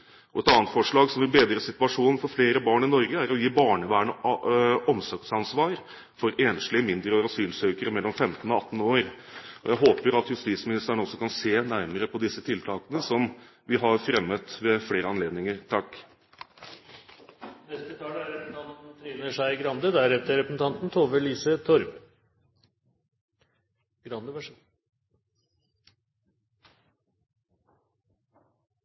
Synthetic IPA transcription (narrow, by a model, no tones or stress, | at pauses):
ʔɔɛt̪ɑːnt̪fɔʂɭɑːɡsɔmʋɪɾbeːd̪ɾəsɪt̪ʉɑʂuːnn̩fɔɾfleːɾəbɑːɳɪnɔɾɡəæɾɔjiːbɑːɳəʋæːɳə | ɔmsɔk̚t̪sɑnsʋɑːɾ | fɔɾeːnʂlɪəmɪnd̪ɾəɔɾɑsyːlsøːkəɾəmɛlːɔmfɛmt̪n̩ɔɑt̪ːn̩oːɾ | ɔ̰jæɪɦoːpəɾɑt̪jʉst̪iːt̪smɪnɪst̪əɳəɔsːɔkʰɑnseːnæɾməɾəpʰɔd̪ɪsːət̪ʰɪlt̪ʰɑːkənəsɔm | ʋɪɦɑɾfɾɛmːət̪ʋɛfleːɾəɑnleːd̪nɪŋəɾt̪ʰɑkː | nɛst̪ət̪ʰɑːlæɾɾɛp̪̩t̪ʰɑnt̪n̩t̪ʰɾiːnəʂæɪɡɾɑnd̪əd̪æɾɛft̪əɾɛpəsn̩t̪ʰɑnt̪n̩t̪ʰoːʋəliːsət̪ʰɔɾb | ɡ̥ɾɑnd̪əʋæʂ